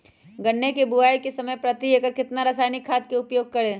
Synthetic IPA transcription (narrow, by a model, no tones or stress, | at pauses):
ɡɐɳːekebʊaːjkesɐməjpɾɐt̪iekəɾkɪt̪naɾɐsaːjnɪkʰːaːt̪keʊpjoːɡ̚kɐɽẽː